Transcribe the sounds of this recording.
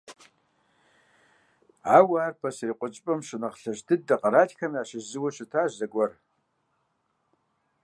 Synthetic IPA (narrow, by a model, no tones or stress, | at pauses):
aːwaːrpʰɐsriqʷʼʊt͡ʃʼpʼɐmʂɨnɐqɬɐʃdʰɨd̚ːɐqʼɐɾaːtʰʼxʰɐmiaːʃɪzɨwɐʃɪtʰaːʒzɐɡʷɐr